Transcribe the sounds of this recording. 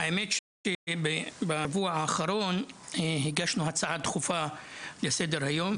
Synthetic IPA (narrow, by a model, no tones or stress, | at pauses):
aemet̪ʃebebavuaʕaːχaɾo̞nɦiɡaʃnuɦat͡saʕat̪χufalesed̪eɾhajo̞m